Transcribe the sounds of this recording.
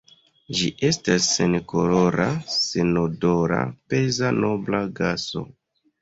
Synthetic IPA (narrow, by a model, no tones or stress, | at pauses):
d͡ʒiʔe̞stasːenkoloɾasenodoɾa̰pe̞zano̞blaɡaso̞̰